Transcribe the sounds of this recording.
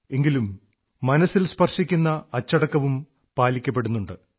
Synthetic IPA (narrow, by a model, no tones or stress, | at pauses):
e̞ŋɡilumː | ɐnɐsilspɐrʂikʲːunːɐːt͡ɕːɐɽɐkːɐʋum | paːlikʲːɐp̬ːe̞ɽunːuɳɖɨ